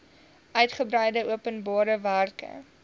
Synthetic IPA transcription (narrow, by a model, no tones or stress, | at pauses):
ʔœɥtχəbɾəjdəʔuəpənbɑːɾəværkə̰